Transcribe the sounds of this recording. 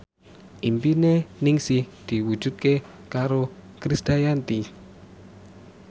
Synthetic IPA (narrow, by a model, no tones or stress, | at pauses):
ʔimpinenɪŋsɪhd̪̥i̤wud̥ʒ̥ṳt̪̚ke | kaɾokɾisd̪̥a̤jant̪i